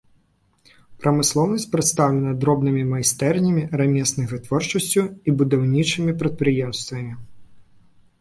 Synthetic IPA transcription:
pɾɐmɨslˠɔwnɐsʲtʲpɾɨt̪st̪awlʲɛnɐd̪ɾɔbnɨmʲimɐjst̪ɛrnʲɐmʲiɾamʲɛsnɨɣvɨt̪vɔrt͡ʂɐsʲt͡sʲuibud̪awnʲit͡ʂɨmʲipɾɐt̪̚pɾɨjɛmst̪vɐmʲi

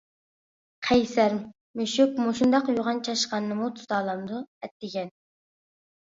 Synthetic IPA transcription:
qʰɛjsæɾm | meʃykmuʃund̪ɑqjoʁɑnt͡ʃʰɑʃqɑnɨːɨmut̪ʰu̥t̪ʰɑːlˠɑmd̪uɛt̪ːɪɡʲɛn

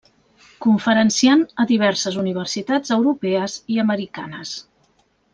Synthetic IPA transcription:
kuɱfəɾənsianəðiβ̞ɛɾsəzuniβ̞ərsit̪ad͡zəwɾupɛəziəməɾika̰nəs

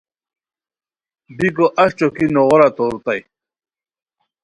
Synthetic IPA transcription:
bikoʔaɕt͡ɕokinoʁoɾat̪oɾut̪aj

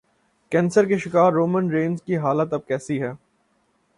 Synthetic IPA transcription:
kɛ̃ːnsəɾkeʃɪkaːɾːoːmə̃nɾẽːnzkiɦaːlət̪ɐb̚kɛːsiɦɛː

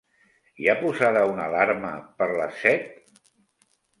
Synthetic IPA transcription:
iapuzaðəunəlaɾməpəɾləsɛt̪̚

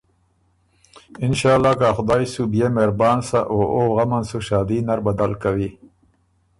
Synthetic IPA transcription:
ɪnʃaːlːaːkaːxʊd̪aːisubjemeɾbaːnsaʔoːoɣɐmansuʃaːd̪inaɾbɐd̪alkawi

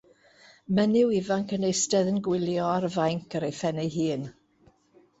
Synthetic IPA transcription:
mɛnɪwivaŋkənejstɛðənɡwɪlˠjɔaɾəvajŋkʰəɾejfɛnɛjɦiːn

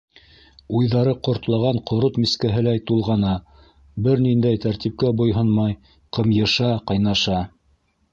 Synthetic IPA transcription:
ujðɑɾɤqŏɾt̪lˠɑʁɑɴqŏɾot̪miskæɦɘ̆læjt̪ulˠʁɑnɑ | bɘɾnind̪æjt̪æɾt̪ip̚kæbŏjɦɤnmɑj | qɤ̆mjɤ̆ʃɑqɑjnɑʃɑ

